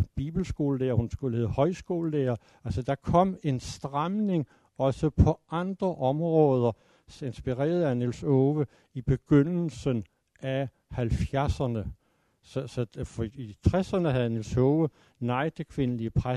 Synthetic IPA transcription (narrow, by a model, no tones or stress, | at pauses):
b̥ḭːb̥l̩sɡ̥o̝̰ːləlḛːɐhunsɡ̥ulhe̝ð̩ˠhɒ̽ɪsɡ̥o̝̰ːləlḛːɐ | ælsəd̥ɑ̈kʰɒ̽m̰e̝nsd̥ʁamne̝ŋ | ɒ̽səpʰɒ̽ʔɑ̈nd̥ʁɐʔɒ̽mʁɔ̽ːð̞ˠɐ | e̝nsb̥iʁɛ̰ːɐð̞̩ˠæne̝lsɔːʋə | ib̥e̝ɡ̥øn̰l̩sən | æ | hælfjæɐsɐnə | sɒsɒfɒit͡sʰʁɛsɐnəɦæð̩ˠne̝lsɔːʋə | nɑ̈ɪ̰d̥ekʰʋe̝nəliəpʰʁa